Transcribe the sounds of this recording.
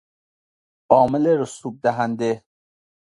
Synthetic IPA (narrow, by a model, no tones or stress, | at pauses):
ʔɒːmeleɾosuːb̚d̪æɦænd̪e